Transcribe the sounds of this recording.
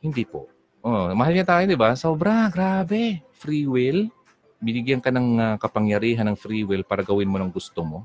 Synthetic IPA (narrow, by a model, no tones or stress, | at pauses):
hɪnd̪iːpo̰ʔ | ʔomɐhalɲɐt̪aːjod̪ɪbasoːbɾɐɡɾaːbɛfɾiːwɪl | bɪnɪɡjɐnkɐnɐŋakɐpɐŋjɐɾiːɦɐnːɐŋfɾiːwɪlpaːɾɐɡɐwɪnmonɐŋɡʊst̪omo̞